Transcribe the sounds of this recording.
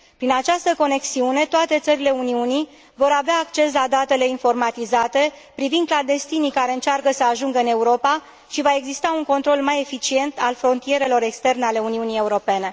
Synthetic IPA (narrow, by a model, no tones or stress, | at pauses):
pɾinat͡ʃast̪əko̞ne̞ksiune̞t̪oat̪e̞t̪səɾile̞uniuni | vo̞ɾaveaːkt͡ʃe̞s̬lad̪at̪e̞le̞info̞rmat̪izat̪e̞ | pɾivind̪̚kland̪est̪inikaɾe̞ɨnt͡ʃarkəsəaʒuŋɡəɨne̞uɾo̞pa | ʃivae̞ɡzist̪auŋko̞nt̪ɾo̞lmaje̞fit͡ʃie̞nt̪alfɾo̞nt̪ije̞ɾe̞lo̞ɾe̞kst̪e̞rne̞ale̞uniunije̞uɾo̞pe̞ne̞